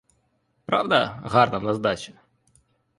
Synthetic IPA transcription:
pɾawd̪ɐɣarnɐwnɐzd̪at͡ʃɛ

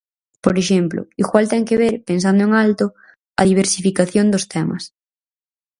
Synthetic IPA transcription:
poɾeʃemplʊ̰iɣwalt̪ɛŋkeβ̞eɾpens̬and̪ʊeŋalt̪ʊ | ɐðiβ̞eɾsifikaθjond̪ʊst̪ɛmɐ̰s

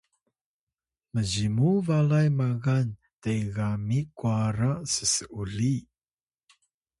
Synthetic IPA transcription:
məzimuvalajmaɣan | tejɣamikuaɾasəsəʔuɮi

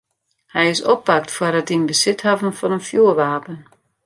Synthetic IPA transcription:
hɛjɪsɔp̚bak̚tfwərdɔt̚dinbəsɪthavən̩fɔnənfjuəʋaːpən

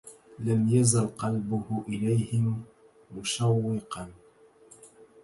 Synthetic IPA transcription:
lamjazalqɑlbʊhʊʔɪlajhɪmː | ʊʃawːɪqɑn

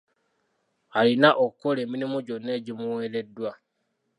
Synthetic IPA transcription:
alinaʔokukole̞ːminimoɟo̞nːe̞ːɟimuwe̞ːle̞dːwa

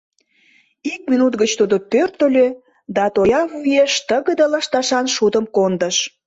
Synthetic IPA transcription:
ik̚mʲinut̪ɣət͡ɕt̪ud̪opørt̪ə̆lʲø | d̪ɑt̪ojɑβyjeʃt̪əɣəd̪əlɑʃt̪ɑʃɑnʃud̪əmkond̪əʃ

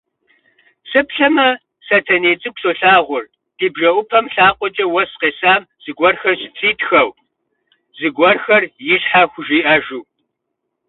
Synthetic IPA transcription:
sɨpɬɐmɐ | satʰɐneːt͡sʼɨɡʷsoːɬaːʁʷʊr | d̥iːbʒɐʔʷʊpʰɐmɬaːqʷʼɔt͡ʃʼɐwɐsqeːsaːm | z̥ɨɡʷɔrxɐrɕɪt͡sʰiːtʰxɐw | zɨɡʷɐrxɐrjɪɕħaxʷʊʒiːʔɐʒuː

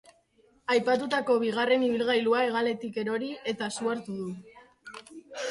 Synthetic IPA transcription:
ajpat̪ut̪ako̞β̞iɣ̞are̞niβ̞ilɣajluae̞ɣale̞t̪ike̞ɾo̞ɾiʔe̞t̪asuaɾt̪uðu

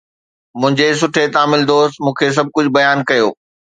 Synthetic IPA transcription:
mʊ̃ɦɪ̃ɲd͡ʑes̬ʊʈʰet̪aːmɪld̪oːst̪mũːkʰes̬ɐb̚ʱkʊd͡ʑʱbɐjaːnkɐjoː

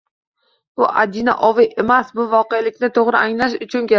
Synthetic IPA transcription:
bʊʔad̪ina̰ʔɒvɪʔe̞masbʊvɒqejalɪkʲnɪt̪ʰoʁɾɪʔaŋlaʃ̬ʊt͡ʃʰʊnkʲe

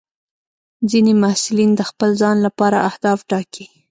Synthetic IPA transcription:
d͡zinemahsɪlind̪əxpəlzɑnlapɑɾaahd̪ɑfʈɑki

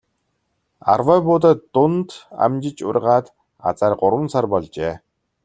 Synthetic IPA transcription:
a̰rwœːpʊːt̪̬aːtːʊnt̪a̰mt͡ɕɪ̆t͡ɕʊ̰rʲʁaːt̪ | a̰t͡saːrɢʊɾwə̆nsarpɔɮt͡ɕeː

